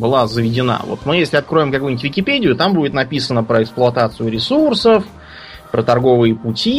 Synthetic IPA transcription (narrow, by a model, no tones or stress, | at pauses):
bɨlˠazəvʲɪdʲɪna̰vo̰t̪mɨjesʲlʲɪɐt̪kɾo̞ɪmkɐkujnʲɪtʲvʲɪkʲɪpʲedʲɪjʊt̪ambudʲɪt̪nɐpʲisənəpɾəɪksplˠʊɐt̪at̪sɨjʊɾʲɪsursəf | pɾət̪ɐrɡo̞vɨjəpʊtʲi